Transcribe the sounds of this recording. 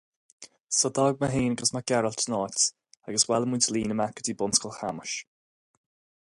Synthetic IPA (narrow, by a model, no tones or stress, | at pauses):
sɔd̪ɔɡ̚maɦeːnɡəsmaɡɛɾəltʰənɔːt | aɡəswɛləmuntʰəliːnəmakədiːbʊnskɔlˠxa̰məʃ